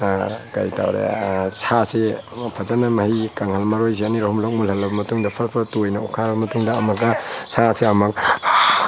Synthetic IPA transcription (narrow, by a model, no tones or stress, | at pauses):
ka̰jta̰wɾḛsʰasepʰɐzanɐmɐhikaŋhɐlmɐɾojs̬eɐniɾɐhumlok̚mulhɐlːɐbɐmɐtuŋdɐpʰɐɾpʰɐtojnɐukʰaɾɐbɐmɐtuŋdɐːmɐkɐsʰaseɐmɐk̚